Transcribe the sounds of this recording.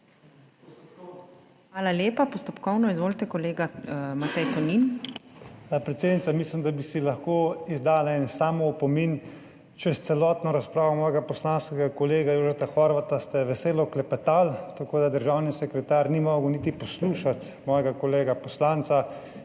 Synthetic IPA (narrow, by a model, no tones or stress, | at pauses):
xʋaːlaljeːpapɔst̪ɔpkɔwnɔizʋoːlt̪ɛkɔleːɡamat̪ɛjt̪ɔnin | apɾɛt̪seːd̪nit̪samislimd̪abisilaxkoːizd̪aːlaɛːnɛsaːmɔupɔmin | t͡ʃɛst̪sɛlɔːt̪nɔɾaspɾaːʋɔmɔːjɛɡapɔslanskɛɡakɔleːɡajoːʒɛt̪axɔɾʋat̪ast̪ɛʋɛseːlɔklɛpɛt̪aːlt̪akoːd̪ad̪əɾʒaːwnisɛkɾɛt̪aːɾnimɔːɡəwniːt̪ipɔsluːʃat̪ | mɔːjɛɡakɔleːɡapɔslant̪sa